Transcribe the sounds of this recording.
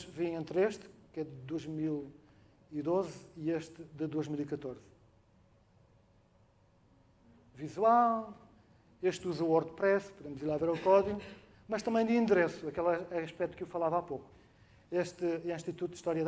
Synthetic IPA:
vĩẽnt̪ɾeʃt̪kɛðɨd̪ojʒmilˠ | iðozieʃt̪ɨd̪ɨd̪ojʒmilˠikɐt̪oɾz̥ | vizwalˠ | eʃt̪uzɐwɔɾd̪pɾɛspuðemuzilˠaveɾɐukɔðiɣ | mɐʃt̪ɐmɐ̃j̃d̪ɨĩnd̪ɾesuɐkɛlˠɐɐʃpɛt̪u̥kewfɐlˠavapoku̥ | eʃt̪ɨɛ̃ĩʃt̪it̪ut̪ud̪iʃt̪ɔɾjɐð

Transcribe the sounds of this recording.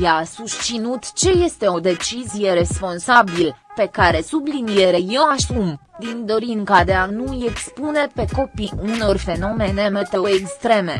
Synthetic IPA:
jasust̪sinut̪t͡ʃe̞je̞st̪e̞o̞d̪e̞t͡ʃizije̞ɾe̞spo̞nsabilpe̞kaɾe̞sublinije̞ɾe̞je̞wasumd̪ind̪o̞ɾiŋkad̪e̞anuje̞kspune̞pe̞ko̞piuno̞rfe̞no̞me̞ne̞me̞t̪e̞oekst̪ɾe̞me̞

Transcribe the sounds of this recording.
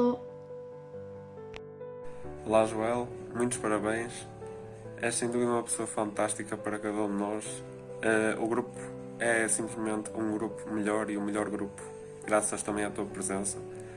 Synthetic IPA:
lˠaʒuɛlˠ | mũj̃t̪u̥ʃpɐɾɐβẽj̃ʃ | ɛsẽj̃d̪uðiumɐpɨ̥soɐfɐ̃nt̪aʃt̪ikɐpɐɾɐkɐðɐũd̪ɨnɔʃ | ɛuɣɾupu̥ | ɛsĩmplˠɨʒmẽnt̪ũŋɡɾupu̥mɨʎɔɾiũmɨʎɔɾɣɾupu̥ | ɣɾasɐʃt̪ɐmẽj̃at̪uɐpɾɨzẽsɐ

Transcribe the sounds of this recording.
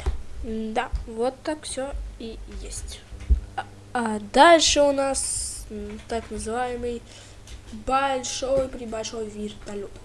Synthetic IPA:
d̪avot̪ːakfsʲoijesʲtʲ | ad̪alʲʂəʊnas | t̪aknəzɨvajɪmɨj | bɐlʲʂojpɾʲɪbɐlʲʂojvʲirt̪ɐlʲup

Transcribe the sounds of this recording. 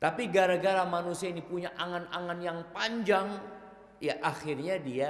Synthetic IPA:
t̪apiɡaɾaɡaɾamanusiainipuɲaʔaŋanaŋanjaŋpaɲd͡ʒaŋ | jaʔaxirɲadia

